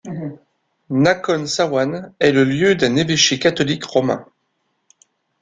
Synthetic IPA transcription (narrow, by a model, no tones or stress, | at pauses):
nakɔnsawanɛləljød̪ɛ̃neveʃekat̪ɔlikʁɔmɛ̰̃